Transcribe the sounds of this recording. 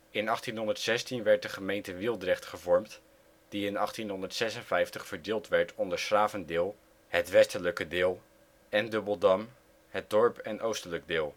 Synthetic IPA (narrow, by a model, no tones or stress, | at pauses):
ɪnɑχtinɦɔndəɹtsɛstinʋɛɹt̚dəχəmejntəʋɪlˠdrɛχtχəvɔɹmt | d̥iɪnɑχtinɦɔndəɹtsɛsənvɛjftəχfəɹdɪːlˠtʋɛɹtʰɔndəɹsraːvəndɪːlˠ | hətʋɛstələkədɪːlˠ | ɛndɵbəlˠdɑm | ɦət̚dɔɹpɛnʔowstələɡ̚dɪːlˠ